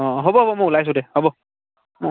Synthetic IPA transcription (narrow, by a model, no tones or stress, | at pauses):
ɔ̃ɦobɔɦobɔmʊulajs̬ʊ̃dɛhobɔ | mʊ